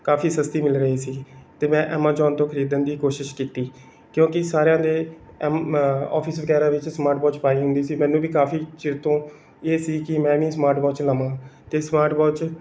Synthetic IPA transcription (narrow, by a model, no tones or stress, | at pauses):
kaːfiːsəst̪iːmɪlɾəɦiːsiːt̪eːmɛ̃ːʔɛːmãːd͡ʒɔːnt̪õːkʰəɾiːd̪ənd̪iːkoːʃɪʃkiːt̪iː | kjõːkɪsaːɾejãːd̪eː | mɔ̰ːpʰɪsʋəkɛːɾãːʋɪt͡ʃsmaːɾʈ̚bɔːt͡ʃpaːiːɦʊ̃nd̪iːsiːmɛ̃ːnũːʋiːkaːfʰiːt͡ʃɪɾt̪õː | eːsiːkɪmɛ̃ːʋĩːsmaːɾʈbɔːt͡ʃləmãːt̪eːsmaːɾʈbɔːt͡ʃ